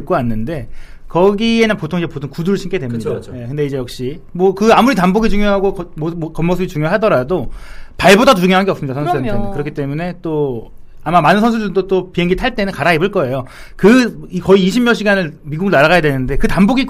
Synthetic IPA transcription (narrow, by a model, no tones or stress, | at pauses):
k͈oanːɯnde̞ | kʌɡie̞nɯnpotʰoŋid͡ʑepotʰoŋkuduɾɯɭɕʰink͈e̞dwe̞mmidaje̞kɯnde̞id͡ʑe̞jʌk̚ɕ͈i | mwʌkɯamuɾitamboɡit͡ɕuŋjoɦaɡokʌmookʌmosʰɯɡit͡ɕuŋjoɦadʌɾadopaɭbodat͡ɕuŋjoɦaŋɡeʌps͈ɯmɲidasʰʌnsʰuenʰʌnkɯɾʌkʰit͈e̞mune̞t͈o | amamanɯnsʰʌnsʰudɯɭdot͈opieŋɡitʰaɭt͈e̞nɯnkaɾaibɯɭk͈ʌe̞jo | kɯikʌiːɕʰimɲjʌɕʰiɡanɯɭmiɡuɡnaɾaɣajadwe̞nɯnde̞kɯtamboɡik